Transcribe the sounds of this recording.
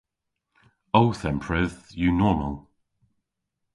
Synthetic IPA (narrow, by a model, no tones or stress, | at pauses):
oʊθɛ̃mpʰɹɪðjunɔːmə̰lˠ